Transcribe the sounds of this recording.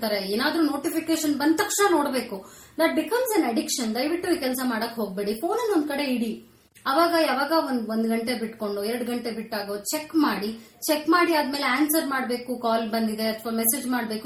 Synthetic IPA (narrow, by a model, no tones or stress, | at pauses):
t̪aːɾeeːnaːd̪ɾuno̞ːʈipikeːʃɐnbɐnd̪̚t̪ɐkʂnɐno̞ːɽbe̞ːku | d̪ɐʈ̚bikɐmsɐnɐɖikʂɐnd̪ɐjʋiʈːukɛlsɐmaːɽɐkːɦoːɡ̚beːɽifo̞ːnɐlond̪̚kɐɽe̞iɽi | ɐʋaːɡɐaːʋaːɡɐond̪ond̪ɡɐɳʈe̞biʈko̞ɳɖuɛɾɐɽɡɐɳʈebiʈːaːɡot͡ʃekːmaːɽit͡ʃekːmaːɽiaːd̪me̞ːleaːnsɐɾmaːɽbe̞ːkukaːlbɐnd̪id̪e̞ɐt̪ʰʋamesed͡ʒmaːɽbe̞ːku